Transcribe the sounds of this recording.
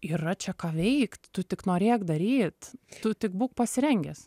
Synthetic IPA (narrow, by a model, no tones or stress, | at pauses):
iːrɐt͡ʃʲɛkɑːʋʲɛɪkt̪t̪ʊt̪ʲɪknoːɾʲeːkd̪ɐɾʲiːt̪t̪ʊt̪ʲɪkbuːkpɐsʲɪɾʲɛŋʲɡʲɛs